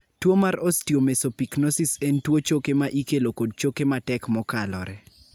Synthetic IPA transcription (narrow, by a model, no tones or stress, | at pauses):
twomaɾostiomesopiknosisentwot͡ʃokemaʔikelokod̚t͡ʃokematɛkmɔkalɔ̰ɾɛ